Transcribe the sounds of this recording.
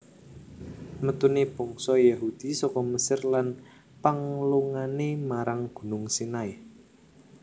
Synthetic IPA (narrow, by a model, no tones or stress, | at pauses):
mət̪uneb̥ɔŋsɔjaɦud̪̥i̤sɔkɔməsɪrlan | paŋluŋanemaɾaŋɡ̥ṳnʊŋsinaj